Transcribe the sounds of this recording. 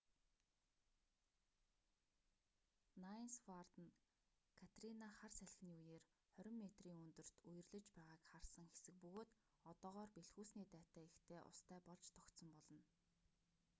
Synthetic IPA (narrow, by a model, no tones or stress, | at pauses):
nainsfart̪̆n | kʰat̪rinaχarsæɮ̆xniːujeːr | χœɾʲɪ̆mːet̪riːŋɵnt̪ɵ̆r̥t̪ujɘ̆rɮɘ̆t͡ɕpæːʁaːkχarsə̆ŋxe̥sɘ̆k̚pɵɣoːt̪ | ɔt̪ɔːʁɔːrpeɮxuːsniːt̪æːt̪æːext̪ʰeːʔʊ̰st̪ʰæːpɔɮt͡ɕt̪ʰɔkt̪sɞ̆mpɔɮɞ̆n